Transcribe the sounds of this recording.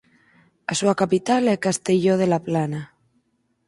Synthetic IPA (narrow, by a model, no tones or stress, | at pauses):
asuakapit̪alekast̪eʎoð̞elaplana